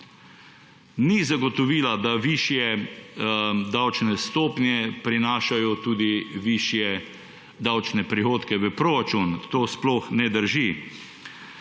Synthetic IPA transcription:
nizaɡɔt̪ɔʋiːlad̪aʋiːʃjɛ | d̪awt͡ʃnɛst̪oːpnjɛpɾinaːʃajɔt̪uːd̪iʋiʃjɛ | d̪awt͡ʃnɛpɾixoːt̪kɛʋəpɾoːɾat͡ʃunt̪oːsplɔxnɛd̪əɾʒi

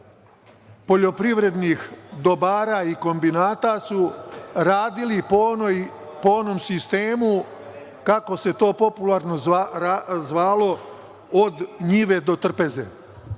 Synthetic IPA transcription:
po̞ʎo̞pɾiʋɾe̞d̪nixd̪o̞baːɾaiko̞mbinaːt̪asuɾaːd̪ilipj | poonomsist̪e̞ːmu | kako̞se̞t̪o̞ːpo̞pulaɾno̞ | zʋaːlo̞ | od̪ɲiʋe̞d̪o̞t̪r̩peze̞̰

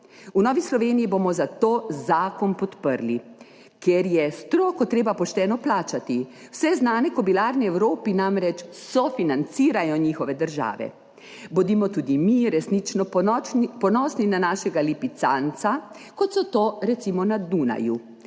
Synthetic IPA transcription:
unɔːʋislɔʋeːnijibomɔzat̪oːzaːkɔnpɔt̪pəɾli | kjɛɾjɛst̪ɾoːkɔt̪ɾeːbapɔʃt̪ɛːnɔplaːt͡ʃat̪iwsɛznaːnɛkɔbilaːɾnɛɛwɾoːpinamɾɛt͡ʃsɔfinant̪siːɾajɔɲixɔʋɛd̪əɾʒa̰ːʋɛ̰ | bɔd̪imɔt̪uːd̪imiɾɛsnit͡ʃnɔ | pɔnɔːsninanaːʃɛɡalipit̪sant̪sakɔt̪sɔt̪oːɾɛt̪simɔnad̪una̰ju

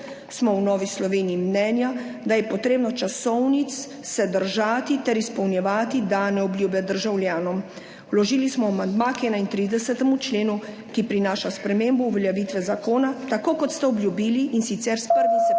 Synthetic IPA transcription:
smɔwnɔːʋislɔʋeːniːmnɛːnjad̪ajɛpɔt̪ɾeːbnɔt͡ʃasɔwnit̪sː | ɛd̪əɾʒaːt̪it̪ɛɾispɔwnjɛʋaːt̪id̪anɛɔbljuːbjɛd̪əɾʒawlʲjaːnɔm | lɔʒiːlismɔamand̪makɛːnaint̪ɾid̪ɛsɛt̪ɛmut͡ʃleːnu | kipɾinaːʃaspɾɛmeːmbɔuʋɛljɛʋiːt̪ʋɛzakoːnat̪akoːkɔt̪st̪ɛɔbljubiːliʔːnsit̪sɛɾspəɾʋiz

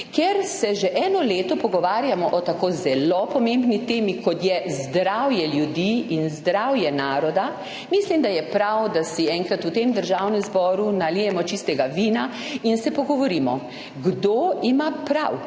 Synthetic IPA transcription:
kɛɾsɛʒɛʔɛːnɔleːt̪ɔpɔɡɔʋaːɾjamɔʔɔt̪akozɛlopɔmembnit̪eːmikɔt̪jɛzd̪ɾawjɛljud̪iinzd̪ɾawjɛnaːɾɔd̪a | mislimd̪ajɛpɾawd̪asiɛŋkɾat̪ut̪emd̪əɾʒawnɛmzbɔːɾunalijɛmɔt͡ʃist̪ɛɡaʋiːna | insɛpɔɡɔʋɔɾiːmɔ | ɡd̪oimapɾa̰w

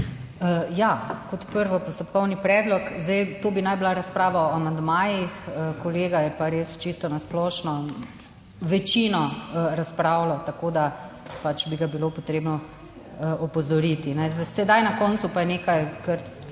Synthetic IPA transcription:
əjakɔt̪pəɾʋɔpɔst̪ɔpkɔwnipɾɛːd̪lɔkzd̪ajt̪oːbinajbilaɾɐspɾaːʋaɔamand̪maːjixəkɔleːɡajɛpaɾeːst͡ʃist̪ɔnasplɔʃnɔ | ʋɛt͡ʃinɔɾaspɾaːwlɔt̪akoːd̪apat͡ʃbiɡabilopɔt̪ɾeːbnɔ | ʔɔpɔzɔɾiːt̪inɛzsɛd̪ajnakɔnt̪supajɛneːkajkəɾ

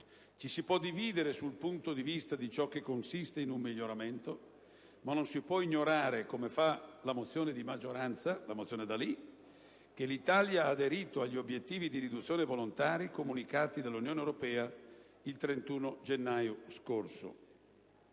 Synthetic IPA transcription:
t͡ʃisipwɔd̪iviːd̪eɾesulpunt̪od̪ivist̪ad̪it͡ʃɔk̟ːekːonsist̪einummiʎːoɾament̪o | manːonsipwɔiɲːoɾaːɾekomefalamot̪sːjoːned̪imad͡ʒoɾant̪salamot̪sjoːned̪ali | k̟elit̪aljaaːd̪eɾiːt̪oaʎːiobjet̪ːiːvid̪iɾid̪ut̪sːjoːnevolont̪aːɾikomunikaːt̪id̪alːunjoːnewɾopɛːa | ilt̪ɾent̪uːnod͡ʒenːaːjoskorso̰

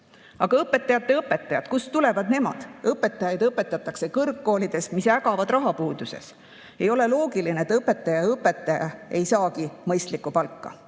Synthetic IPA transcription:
ɑɡ̥ɑɤpːˑe̞t̪ːˑɑjɑt̪ːˑe̞ɤpːˑe̞t̪ːˑɑjɑd̪kust̪ule̞vɑd̪ne̞mɑ̰d̪̥ɤpːˑe̞t̪ːˑɑjɑjd̪̥ɤpːˑe̞t̪ːˑɑt̪ːˑɑkse̞kɤrkːo̞ːlid̪̥e̞smisæɡɑvɑd̪̥rɑɦɑpuːd̪̥use̞̰s | e̞jo̞le̞lo̞ːɡilineet̪ɤpːe̞t̪ːˑɑjɑɤpːˑe̞t̪ːˑɑjɑ̰e̞jsɑːkimɤjst̪likːˑupɑlkːɑ̰

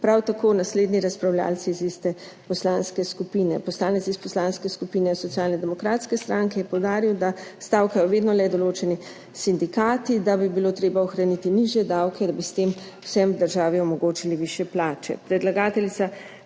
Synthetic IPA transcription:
pɾawt̪akoːnasleːd̪niɾaspɾawlʲja̰ːlt̪sizist̪ɛ | pɔslaːnskɛskupiːnɛpɔslaːnɛt̪sispɔslaːnskɛskupiːnɛsɔt̪siaːlnɛd̪ɛmɔkɾaːt̪skɛst̪ɾaŋkɛjɛpɔwd̪aːɾiwd̪ast̪aːwkajɔʋeːd̪nɔlɛd̪ɔloːt͡ʃɛni | sind̪ikaːt̪id̪abibilot̪ɾeːbaɔxɾanit̪iniʒjɛd̪awkɛd̪abist̪eːm | wsɛmd̪əɾʒaːʋiɔmɔɡoːt͡ʃiliʋiʃjɛplaːt͡ʃɛ̰pɾɛd̪laɡaːt̪ɛlit̪sa

